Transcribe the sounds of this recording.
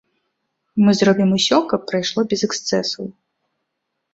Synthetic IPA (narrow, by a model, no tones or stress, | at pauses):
mɨzɾɔbʲimusʲɔkɐpːɾɐjʂlˠɔbʲɛzɛkst̪sɛsuw